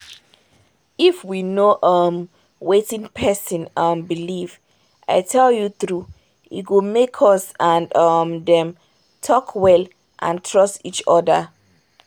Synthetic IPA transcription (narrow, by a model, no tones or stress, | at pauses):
ifwinoʔʌm | wetĩŋpʰɛsĩnʌmbiliv | ʔa̰ɪtʰɛljuθɹu | ḭɡomekʰɔsãndʌmdɛ̃m | tʰɔkʰwɛl | ʔã̰ntʰɹɔstit͡ʃɔdə̰